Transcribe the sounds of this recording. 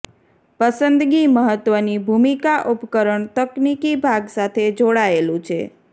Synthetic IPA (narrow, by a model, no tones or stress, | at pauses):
pəsənd̪ɡiməɦət̪ʋənibʱumikaʔupkəɾəɳt̪əknikibʱaɡsat̪ʰed͡ʒoɽaelũt͡ʃʰḛ